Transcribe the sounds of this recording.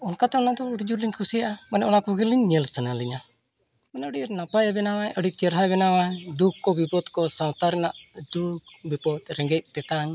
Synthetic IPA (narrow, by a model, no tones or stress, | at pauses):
ɔnkat̪ɛɔnad̪ɔuɽd͡ʒuɾliɲkʰusijaʔamanɛʔɔnakɔɡiliɲɲəlsənaliɲa | manɛəɖiɾnapajabɛnawajʔəɖit͡ʃɛɾɦabɛnawajd̪ukːɔbipɔd̪kɔsawt̪aɾɛnaʔd̪uk̚bipɔt̪ɾɛŋɡɛc̪̚t̪ɛt̪aŋ